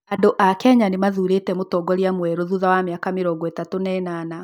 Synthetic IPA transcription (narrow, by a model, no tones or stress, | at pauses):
adoʔakɛɲanemaðuɾetɛmotɔːɡɔɾjamwɛɾoðuðawamjakameɾɔɡɔɛtatonɛnana